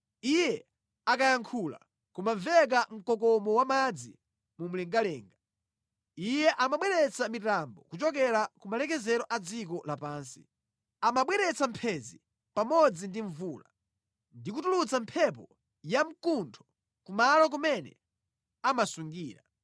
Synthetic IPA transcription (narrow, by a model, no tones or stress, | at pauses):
ijɛ | akajaŋkʰula̰ | kumaɱvɛk̬am̩kɔk̬ɔmɔwamad͡zḭ | mum̩lɛŋɡalɛːŋɡa | ijɛʔamaɓwɛɾɛt͡samitambɔkut͡ʃɔk̬ɛɾakumalɛkɛzɛɾɔʔad͡zikɔlapaːnsi̥̰ | amaɓwɛɾɛt͡sam̩pʰɛzi | pamɔd͡zindiɱvuːla̰ | ndik̬utulut͡sampʰɛp̬ɔ | jam̩kuntʰɔ̥ | kumalɔk̬umɛnɛ̰ | amasuŋɡiːɾa